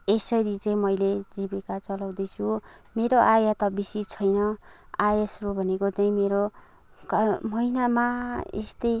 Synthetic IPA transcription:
esʌɾit͡sʌĩmʌjled͡zibekat͡sʌlaw̃d̪ʌjt͡sʰu | meɾoʔajat̪ʌbisit͡sʰʌjnʌajesrobʱʌnekot͡sʌĩmeɾo | kmʌinamaḛst̪ʌj

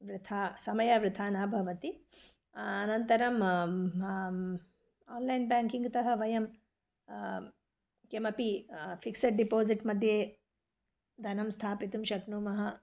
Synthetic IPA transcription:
ʋɾɪt̪ʰaːsɐmɐjɐʋɾɪt̪ʰaːnaːbʱɐʋɐt̪i | ɐnɐnt̪ɐɾɐm | aːnlɐjnbaːŋkiŋɡt̪ɐɦɐʋɐjɐm | kemɐpifʰiksɐʈ̚ɖipoːziʈmɐd̪ʱjeː | d̪ʱɐnɐmst̪ʰaːpit̪umʃɐknuːmɐɦɐ

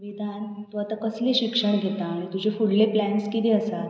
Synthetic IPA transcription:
ʋid̪ʱant̪uat̪akəsleɕikʂəɳ̃ɡʱet̪aːɽ̃it̪ud͡ʑʱefuɽleplænskit̪eəsat̪

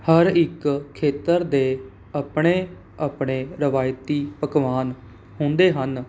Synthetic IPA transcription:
həɾɪkʰːeːt̪əɾd̪eː | aːpɽ̃eː | aːpɽ̃eːɾəʋaːjt̪iːpəkʋaːn | ɦʊ̃nd̪eːɦən

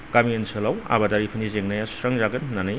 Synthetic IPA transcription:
kamiensʰɯlawa̰badaɾipʰinizeŋnajasɐŋzaɡɐnːanaj

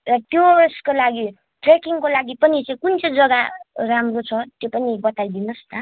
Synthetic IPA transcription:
rʌtjorskolaɡi | ʈrekiŋkolaɡipʌnit͡saĩkunt͡sʌd͡zʌɡaramrot͡sʰʌt̪jopʌnibʌt̪ajd̪inost̪a

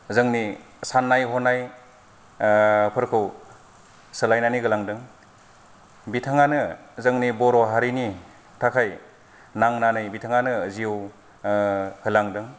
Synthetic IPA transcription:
zɯŋni | sanːajhɔnaj | pʰɯɾkʰɯw | sɯlajnaniɡɯlaŋdɯŋ | bitʰaŋanɯzɯŋnibɔɾɔɦaɾini | tʰakʰaj | naŋnanɯjbitʰaŋanɯzijɯw | hɯlaŋdɯŋ

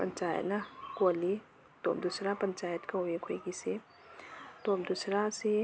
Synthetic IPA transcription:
pɐ̰nt͡ʃaːjə̰t̪nakoli | t̪omd̪usɾapənt͡ʃajət̪kawekʰojɡise | t̪omd̪usɾase

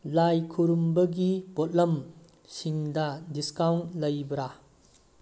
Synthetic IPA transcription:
lajkʰuɾumbɐɡibot̚lɐm | siŋdɐdiskawntlɐjbɾa

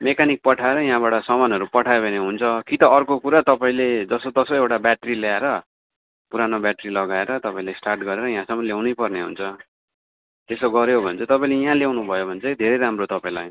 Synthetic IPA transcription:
mekanik̚pʌʈʰaeɾʌjãɦãbaʈʌsʌmanɦʌɾupʌʈʰajebʱeneɦunt͡sʰʌkit̪ʌːrkokuɾat̪ʌpaĩled͡zʌsot̪ʌsoewʈabjaʈɾiljaeɾʌ | puɾanobjaʈrilʌɡaeɾʌt̪ʌpãĩlesʈarʈɡʌɾeɾʌj̃ɦãsʌŋʌljawnʌjpʌrneɦṵnt͡sʰʌ | t̪esoɡʌɾjobʱʌnt͡sʰʌt̪ʌpaĩlej̃ɦãljawnubʱʌjobʱʌnt͡sʰʌid̪ʱeɾejɾamrot̪ʌpaĩla̰j

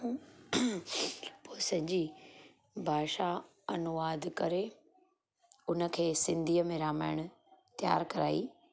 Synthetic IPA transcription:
posɐ̃d͡ʑi | bʱaːʃa | ɐnʊʋaːd̪ʱkɐɾe | ʊnə̆kʰeːsɪ̃nd̪ʱiːəmẽɾaːmaːɪɽ̃ʊ | t̪ja̰ːɾkɐɾaːiː

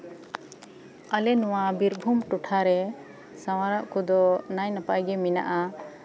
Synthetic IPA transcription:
alɛnɔwabiɾbʱumʈuʈʰaɾɛ | sawaɾaʔkud̪ɔnajnapajɡɛmina̰ʔa

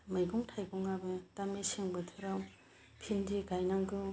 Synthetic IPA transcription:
majɡuŋtʰajɡuŋabɯtamesiŋbɯtʰɯɾaw | pʰindiɡajnaŋɡɯ

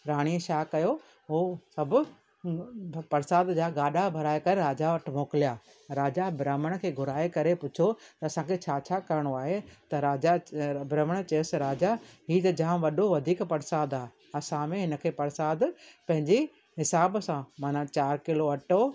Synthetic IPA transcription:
ɾaːɽ̃iːəʃaːkɐjo | ɦosɐbʱʊ | pɐɾsaːd̪d͡ʑaːɡaːɗabʱɐɾaːekɐɾeɾaːd͡ʑaʋɐʈʰmoːkɪlijaː | ɾaːd͡ʑabɾaːməɽ̃kʰeːɡʱʊɾaːekɐɾepʊt͡ɕʰot̪ɐɐsãkʰeːt͡ɕʰaːt͡ɕʰaːkɐɾɽ̃oaːɦet̪ɐɾaːabɾɐːməɽ̃t͡ɕeʊsɾaːd͡ʑaɦiːt̪ɐd͡ʑaːʋɐɗoʋɐd̪ʱiːkpɐɾsaːd̪aːɦe | ɐsãmẽɦɪnə̆kʰeːpɐɾsaːd̪pɐ̃ɦɪ̃ɲd͡ʑe | ɦɪsaːbsãmaːnãt͡ɕaːɾkɪloɐʈo

